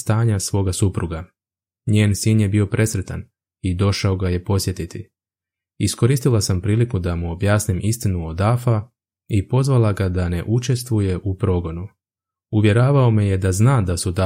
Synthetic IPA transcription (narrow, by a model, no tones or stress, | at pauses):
st̪aːɲasʋo̞ːɡasupɾuɡa | ɲeːnsiːnje̞bio̞pɾʔe̞sɾe̞t̪an | id̪o̞ʃao̞ɡaje̞po̞sje̞t̪it̪i | isko̞ɾiːst̪ilasampɾiːlikud̪amuobjaːsnimʔist̪inuod̪afa | ipo̞zʋalˠaɡad̪ane̞ʔut͡ʃe̞st̪ʋuje̞ʔupɾo̞ɡo̞nu | uʋje̞ɾaːʋaomije̞d̪aznaːd̪asud̪a